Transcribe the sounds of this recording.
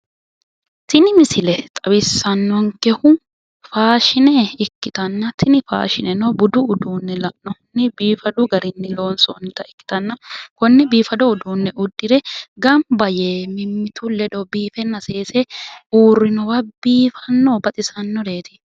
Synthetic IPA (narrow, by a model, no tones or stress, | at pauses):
t̪ɪnɪmɪsɪlɛt̪ʼɐbɪsːɐnːɔŋkɛhʊ | faːʃɪnɛɪkːɪt̪ɐnːɐt̪ʰɪnɪfa̰ːʃɪnɛnɔbʊd̪ʊːd̪uːnːɛlɐʔnɔnːɪbiːfɐd̪ʊɡɐɾɪnːɪloːnsɔ̰nt̪ɐɪkːɪ̥t̪ɐnːɐkɔnːɛbiːfɐd̪ɔʊd̪uːnːɛʔʊd̪ːɪɾɛɡɐmbɐjeːmɪmːɪt̪ʊlɛᶑ̪ɔbiːfɛnːɐse̞ːsɛuːrːɪnɔwɐbiːfɐnːɔbɐt̪ʼɪsɐnːɔɾe̞ːt̪ɪ̥